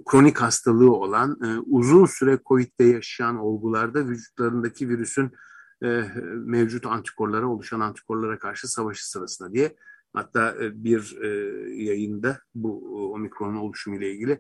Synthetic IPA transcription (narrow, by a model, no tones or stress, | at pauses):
kʰɾo̞nikhast̪ʰalˠɯːo̞lˠanɯːuzunsyɾɛkʰo̞vit̪ːɛjaʃɯjano̞lˠɡulˠaɾd̪avyd͡ʒut̪lˠaɾɯnd̪acʰiviɾysynː | mɛvd͡ʒut̪ʰant̪ʰi̥kʰo̞ɾlˠaɾaolˠuʃanant̪ʰi̥kʰo̞ɾlˠaɾakʰaɾʃɯsavaʃɯ̥sɯɾasɯnd̪ad̪ijɛha̰t̪ʰːaːʔbiɾ | jajɯnd̪abuo̞mikɾonuno̞lˠuʃumɯjlʲailʲɟʲilʲɪ